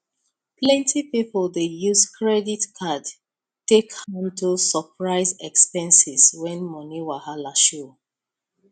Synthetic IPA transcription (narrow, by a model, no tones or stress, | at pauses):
plɛ̃ntʰipipəldejuzkʰɹɛditkʰad | tekhãmdosɔpɹaɪzɛkspɛ̃nsiswɛ̃nmɔniwahalaʃo